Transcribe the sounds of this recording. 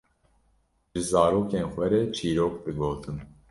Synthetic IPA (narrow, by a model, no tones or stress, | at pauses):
ʒɨzɑːɾoːkeːnxʷɛɾet͡ʃʰiːɾoːk̚d̪ɨɡoːt̪ʰɨn